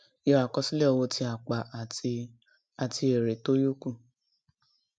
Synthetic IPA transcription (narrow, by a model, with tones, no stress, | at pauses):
jɔ˧a˨kɔ˧si˦le˦ɔ˧wo˧tʰi˧a˨k͡pa˨ʔa˨˧ | a˨tʰi˧e˨ɾe˨to˦jo˦ku˦˨